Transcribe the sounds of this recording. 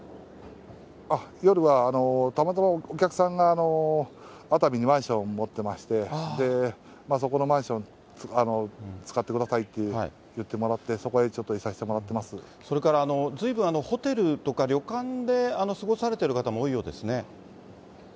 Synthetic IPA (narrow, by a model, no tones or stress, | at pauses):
ajo̞ɾɯ̟βaːno̞t̪amat̪amaokʲakɯ̟̥sãŋɡaːno̞ | at̪amʲiɲ̟imãɰ̃ɕõ̞mmo̞t̪ːe̞maɕi̥t̪e̞d̪e̞ | mas̬o̞ko̞no̞mãɰ̃ɕõ̞n | ano̞t͡sɨ̥kat̪ːekɯd̪asait̪ːe̞a̰ḭ | jɯ̟t̪ːe̞mo̞ɾat̪ːe̞so̞ko̞e̞t͡ɕo̞t̪ːo̞isaɕi̥t̪e̞mo̞ɾat̪ːe̞masɨ | so̞ɾe̞kaɾaːno̞d͡zɨibɯ̟̃ɰ̃ano̞ho̞t̪e̞ɾɯ̟t̪o̞kaɾʲo̞kãnd̪e̞ano̞sɨɡo̞saɾe̞t̪e̞ɾɯ̟kat̪amo̞ːijo̞ːd̪e̞sɨne̞